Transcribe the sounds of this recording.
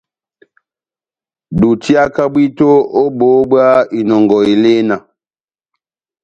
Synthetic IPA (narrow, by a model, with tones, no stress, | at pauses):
du˨ti˦a˦ka˦bi˦to˦o˦bo˨˦ba˦i˨nɔ˨ŋɡɔ˨i˨le˦na˨